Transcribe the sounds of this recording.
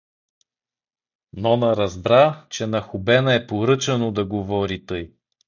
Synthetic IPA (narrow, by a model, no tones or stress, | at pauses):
nɔnəɾɐzbɾat͡ʃɛnɐxʊbɛnɐɛpoɾɤt͡ʃɐnod̪ɐɡovɔɾit̪ɤj